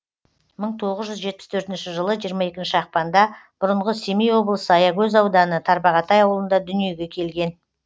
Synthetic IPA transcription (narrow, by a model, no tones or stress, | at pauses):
məɴt̪ʰo̞ʁəzʒʏzʒe̞t̪̚pɪ̥st̪ʰɵɾt̪ɪnʃɪʒəlˠəʒijəɾmɑe̞kʲɪnʃɪɑq̚pɑnd̪ɑb̥ʊɾəɴʁəsemijwo̞blˠəsəɑjɑɡɵzɑwd̪ɑnət̪ʰɑɾbɑʁɑt̪ɑjɑwəlˠənd̪ɑd̪ʏnije̞ɡʲe̞kʲʰe̞lɡʲe̞n